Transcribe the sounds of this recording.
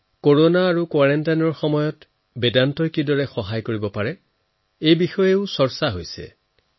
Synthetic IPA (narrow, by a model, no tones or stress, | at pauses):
koɹonaːɹukwaɹɛntajnɔɹxɔmɔjɔt | bedantɔjkidɔɹɛxɔɦajkoɹibɔpaɹɛ | ejbixɔjeʊsɔɹsaɦojsɛ̰